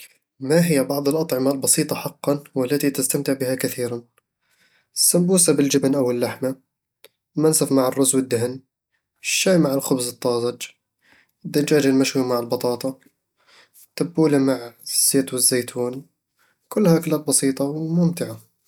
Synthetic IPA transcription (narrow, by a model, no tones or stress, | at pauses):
maɦɪjːabɑʕðˤɨlʔɑt̪ˤʕɪmalbɑsiːt̪ˤɑħɑqːɑnwɪlːat̪it̪ɪst̪amt̪ɪʕbɪhakaθiːɾan | sːambuːsabɪld͡ʒɪbnʔawɪlːaħma | mansafmaʕɪrːʊzwɪd̪ːɪhn | ʃːaːjmaʕɪlxʊbzɨt̪ˤːɑːzˤɑd͡ʒ | ɪd̪ːand͡ʒaːd͡ʒalmaʃhumaʕɪlbɑt̪ˤɑːt̪ˤɑ | t̪abːuːlamaʕz̥ːeːt̪wɪzːeːt̪ʰuːn | kʊlːhakɪlat̪̚bɑsiːt̪ˤɑwmʊmt̪ɪʕa